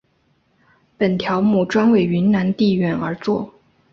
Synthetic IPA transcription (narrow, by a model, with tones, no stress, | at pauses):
pə˨˩nt̪ʰjɑ˧˥ʊmu˨˥˩ʈ͡ʂwa˥nwe˥˩ɪy˧˥nna˧˥nt̪i˥˧ɥɛ˧˥nə˞˧˥t͡swɔ˥˩